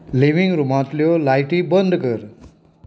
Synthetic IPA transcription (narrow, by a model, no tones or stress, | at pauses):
liʋiŋɡɾumãt̪ljolajʈibənd̪ʱkəɾ